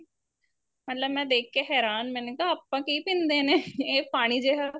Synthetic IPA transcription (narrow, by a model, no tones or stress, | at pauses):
mət̪ləbmɛ̃ːd̪eːkʰːeːɦɛːɾaːnmɛ̃ːneːkaːaːpːãːkiːpɪ̃nd̪eːneːeːpaːɽ̃iːd͡ʒeːɦaː